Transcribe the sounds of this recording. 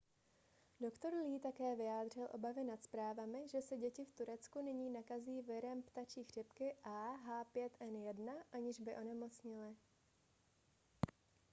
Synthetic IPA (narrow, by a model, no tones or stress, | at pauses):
do̞kt̪o̞ɾliːt̪akɛːvɪjaːd̪r̝ɪlʔo̞bavɪnat̪spɾaːvamɪʒɛsɛɟɛcɪft̪uɾɛt͡skunɪɲiːnakaziːvɪɾɛmpt̪at͡ʃiːxr̝̥ɪpkɪʔaːɦaːpjɛt̪ʔɛnjɛdnaʔaɲɪʒbɪʔo̞nɛmo̞t͡sɲɪlɪ